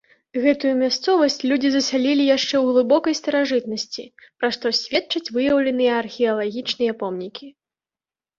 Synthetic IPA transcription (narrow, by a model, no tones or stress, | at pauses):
ɣɛt̪ujumʲast̪sɔvɐsʲt͡sʲlʲud͡zʲizɐsʲalʲilʲijaʂt͡ʂɛwɣlˠɨbɔkɐjst̪ɐɾaʐɨt̪nɐsʲt͡sʲḭpɾaʂt̪ɔsʲvʲɛt̪t͡ʂɐt͡sʲvɨjɐwlʲɐnɨjɛːrxʲɛɐlˠaɣʲit͡ʂnɨjɐpɔmnʲikʲi